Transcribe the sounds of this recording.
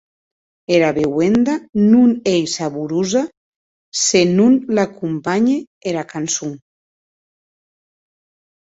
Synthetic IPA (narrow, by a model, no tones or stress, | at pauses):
eɾaβewend̪anunejsaβuɾuza | senunlakumpaɲe | eɾakansuŋ